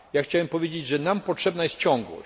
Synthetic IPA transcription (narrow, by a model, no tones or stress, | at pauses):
jaxt͡ɕawɛmpɔvʲjed͡ʑed͡ʑʐɛnampɔtʂɛbnajɛst̪t͡ɕɔ̃ŋɡwɔ̰